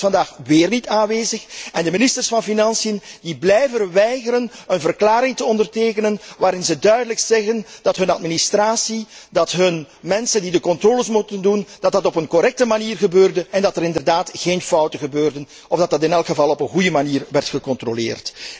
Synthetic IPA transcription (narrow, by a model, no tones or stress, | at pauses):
fɑndaːxʋeːrnitaːnʋeːzəxɛndəmɪnɪstərsfɑnfinɑnsijəndiblɛjvəɾʋɛjɣəɾənənvərklaːɾɪŋtəɔndərteːkənənʋaːɾɪnzədœɥdələksɛɣənd̥ɑtɦɵnɑtministraːsidɑtɦɵn | mɛnsəndidəkɔntroːləsmutəndund̥ɑt̚dɑtɔpənkɔɾɛk̚təmaniːrɣəbøːrdəʔɛndɑtɛɾɪndərdaːtɣeːnfɔwtəɣəbøːrdən | ɔvdɑtdɑtɪnɛlˠkxəvɑlˠɔpənɣujəmaniːrʋɛrtxəkɔntrolḛːrt